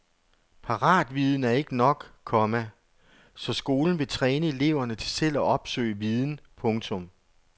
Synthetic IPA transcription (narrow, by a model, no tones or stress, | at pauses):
pʰɑ̈ʁɑ̰̈ːd̥ʋið̞ˠn̩æɐe̝ɡ̥ənɒ̽ɡ̥kʰɒ̽mæ | sɒ̽sɡ̥o̝ːln̩ʋe̝t͡sʰʁɛːnəe̝le̝ʊ̰ɐnət͡sʰe̝sel̰ɒʔɒ̽b̥sø̰ːɪʋið̞ˠn̩pʰɔ̽ŋt͡sʰɔ̽m